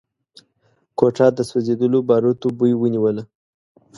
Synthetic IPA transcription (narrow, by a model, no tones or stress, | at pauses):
koʈɑd̪əswozed̪əlobɑɾot̪obujwəniwəla